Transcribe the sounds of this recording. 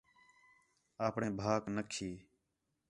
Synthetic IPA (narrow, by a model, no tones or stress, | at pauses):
aːpɳẽːbʱaːknəkʰeː